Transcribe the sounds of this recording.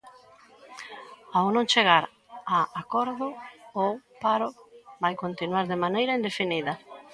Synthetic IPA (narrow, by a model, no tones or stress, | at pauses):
awnõŋt͡ʃeɣaɾ | aakɔɾðʊopaɾʊbajkont̪inwaɾðemanejɾɐind̪efiniðɐ